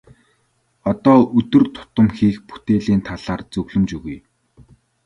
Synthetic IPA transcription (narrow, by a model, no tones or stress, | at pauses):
ɔt̪ɔːɵt̪ɵ̆rt̪ʰʊ̥t̪ə̆mxiːxpu̥t̪eːɮiːnt̪ʰaɮaːrt͡sɵɣɮɵ̆mt͡ɕuɣuj